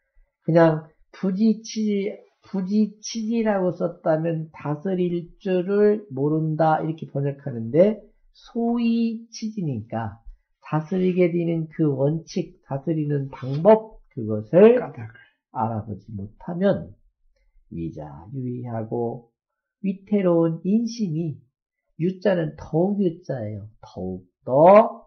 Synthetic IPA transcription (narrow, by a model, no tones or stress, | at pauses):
kɯɲaŋ | pud͡ʑit͡ɕʰi | pud͡ʑit͡ɕʰid͡ʑiɾaɡos͈ʌt̚t͈amjʌntasʰɯɾiɭt͡ɕ͈uɾɯɭmoɾɯndaiɾʌkʰe̞pʌɲʌkʰanɯnde̞ | sʰoit͡ɕʰid͡ʑiɲik͈a | tasʰɯɾiɡe̞dwinɯnkɯwʌnt͡ɕʰik̚t͡ɕasʰɯɾinɯnpaŋbʌp̚kɯɡʌsʰɯɭ | aɾabod͡ʑimotʰamjʌn | ɥid͡ʑa̰juiɦaɡo | ɥitʰe̞ɾouninɕʰimi | jut͡ɕ͈anɯntʌuɡjut͡ɕ͈aejotʌuk̚t͈ʌ